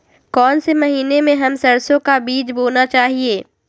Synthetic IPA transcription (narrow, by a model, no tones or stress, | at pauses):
kɔːnsemɐɦiːnemẽɦɐmsɐɾsõkabiːd͡ʒboːnat͡ʃaːɦieː